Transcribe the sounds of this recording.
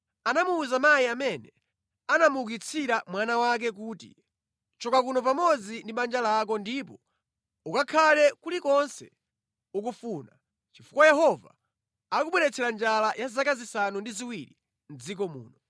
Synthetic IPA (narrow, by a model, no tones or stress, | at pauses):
anamuːzamajiamɛnɛ | anamuuk̬it͡sʰiɾamwanawak̬ɛk̬uːtḭ | t͡ʃɔkakunɔp̬amɔd͡zindiɓand͡ʒalak̬ɔndip̬ɔ | ukakʰalɛkulikɔnsɛ̰ | uk̬ufuːna | t͡ʃifukwajɛɦɔva̰ | akuɓwɛɾɛt͡sʰɛɾand͡ʒalajazakazisanundiziwiɾḭ | n̩d͡zik̬ɔmṵːnɔ